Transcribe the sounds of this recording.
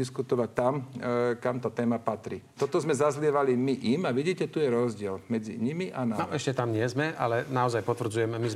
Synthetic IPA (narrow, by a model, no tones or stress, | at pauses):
iskut̪ɔʋac̚t̪amkamt̪aːt̪ɛːmapat̪ɾḭt̪ɔt̪ɔzmɛzazlɪɛʋalimiʔimaʋiɟiːcɛt̪ujɛɾɔzɟɪɛlmɛd͡zḭɲimiʔananɔʔɛʃcɛt̪amɲɪɛzmɛʔa̰lɛnaɔzajpɔt̪ʋr̩d͡zujɛmmiz